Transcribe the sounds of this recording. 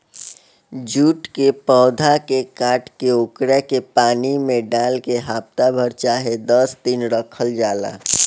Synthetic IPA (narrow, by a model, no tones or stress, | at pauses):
d͡ʒuːʈkepɔːd̪ʱakekaːʈkeʊkɾekepaːnimẽɖaːlkeɦaːpt̪abʱəɾt͡ʃaːɦed̪əsd̪inɾəkʰəld͡ʒaːla̰ː